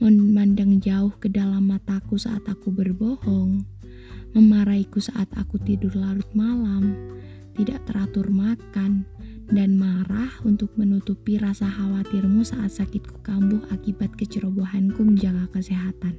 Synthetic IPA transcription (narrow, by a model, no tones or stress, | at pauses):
məmandaŋd͡ʒaʊhkədalamːat̪akusaʔat̪akubərbɔhɔŋ | məmaɾaikusaʔat̪a̰kut̪idʊrlalʊt̪̚malam | t̪idaʔt̪əɾat̪ʊrmakandanmaɾahunt̪ʊk̚mənut̪upiɾasaɦawat̪ɪrmusaʔat̪̚sakɪt̪̚ku̥kambʊhakibat̪̚kət͡ʃəɾoboɦankuməɲd͡ʒaɡakəsiɦat̪an